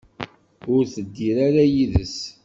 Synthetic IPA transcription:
ʊɾθəd̪ːiɾaɾajiðəs

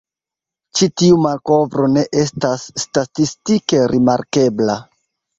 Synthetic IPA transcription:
t͡ʃitiumalko̞vɾo̞ne̞ʔe̞stasːtatistike̞ɾʔimaɾke̞bla̰

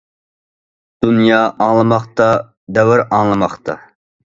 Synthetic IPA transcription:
d̪̥unjɑːʔɑŋlˠɨmɑχt̪ɑ | d̪ɛwɪɾɑŋlˠɨmɑχt̪ɑ̰

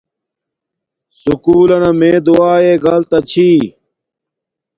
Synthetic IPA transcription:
sukuːlɐnɐmẽːd̪uaːeːɡɐlt̪ɐt͡ɕʰiː

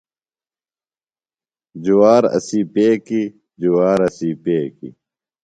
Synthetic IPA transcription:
d͡ʑuwaːɾɐ̰siːpeːki | d͡ʑuwaːɾɐsiːpeːkḭ

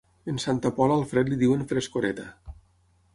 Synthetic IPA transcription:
ensant̪apɔlalˠfɾɛt̪liðiwenfɾeskoɾet̪a

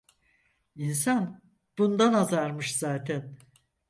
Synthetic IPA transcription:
insan | b̥und̪anazaɾmɯʃz̥aːt̪ʰɛn

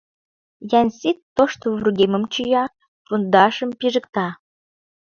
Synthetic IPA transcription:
jænʲsit̪ːoʃt̪ovruɣemə̆mt͡ɕyjɑ | fund̪ɑʃə̆mpiʒə̆kt̪ɑ

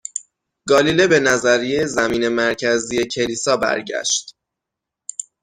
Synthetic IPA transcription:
ɡɒːlilebe̞næzæɾijezæmiːne̞mæɾcʰæzije̞cʰe̞liːsɒːbæ̰ɾɟæ̰ʃt̪

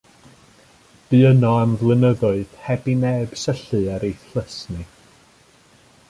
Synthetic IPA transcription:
b̥ɨənɔamvlˠɨnəðʊɨð̥hɛbinɛb̥səɬɨɛɾejθləsnɨ

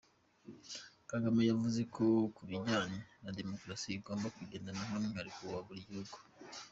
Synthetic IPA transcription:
kaɡamejavuze̞kʰokuɾiɲɟaninade̞mokɾasiiɡo̞ːmbakwiɟeːndanamoniɲaɾikuwaɡuɾɟihuɡu̥

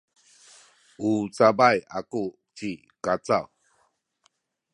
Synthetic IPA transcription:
ut͡sabajaku | t͡ʃi | kat͡saw

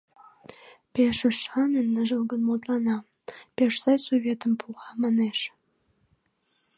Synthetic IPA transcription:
peʃə̆ʃɑnənːəʒə̆lˠɡənmot̪lɑnɑ | peʃsɑjsovʲet̪əmpʰuʁɑmɑneʃ

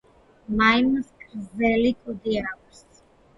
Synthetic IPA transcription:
majməskɾzɛlikʼɔd̪iɛɾavs

